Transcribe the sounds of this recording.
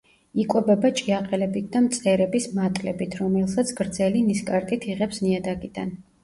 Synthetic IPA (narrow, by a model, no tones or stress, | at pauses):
ikʼɛbɛbat͡ʃʼiaqʼɛlɛbit̪̚ʰd̪amt̪sʼɛɾɛbismat̪ʼlɛbit̪ʰɾɔmɛlˠsat̪sʰɡ̥ɾd̪zɛliniskʼaɾt̪ʼit̪ʰiʁɛpsniad̪aɡid̪̥a̰n